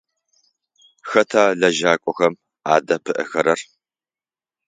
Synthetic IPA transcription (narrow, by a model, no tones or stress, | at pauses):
xɐtʰaːɮɐʒaːkʷʼɔxɐm | aːdɐpʰɨʔɨ̰xɐɾɐr